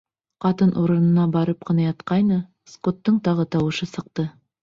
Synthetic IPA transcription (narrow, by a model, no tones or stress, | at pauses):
qɑt̪ɤnʔuɾɤ̆nɤ̆nɑbɑɾɤp̚qɤ̆nɑjɑt̪̚qɑjnɤ | skot̪ːɤɴt̪ɑʁɤt̪ɑwɤ̆ʃɤsɤ̆q̚t̪ɤ